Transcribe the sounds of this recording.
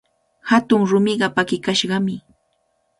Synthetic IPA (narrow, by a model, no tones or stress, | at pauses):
hat̪ʊŋɾʊmɪɢɑpakɪkaʃɢɑmɪ